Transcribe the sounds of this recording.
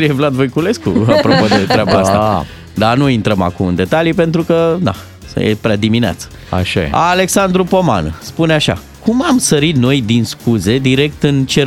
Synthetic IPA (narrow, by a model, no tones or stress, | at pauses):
kɾijevlad̪vojkule̞skṵapɾopod̪e̞t̪ɾeabaast̪aa | d̪anuint̪ɾəma̰kumɨnd̪e̞t̪alijepe̞nt̪ɾukəd̪a̰ | jḛpɾead̪iminea̰t̪sə̥ | a̰ʃa̰jḛale̞ksand̪ɾupo̞ma̰nspuneaʃa̰ | kʰumamsəɾit̪no̞jd̪inskuze̞d̪iɾe̞k̚t̪ɨnt͡ʃe